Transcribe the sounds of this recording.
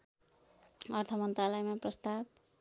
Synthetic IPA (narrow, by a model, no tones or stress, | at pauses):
ʌrt̪ʰʌmʌnt̪ralʌjmaprʌst̪ab̚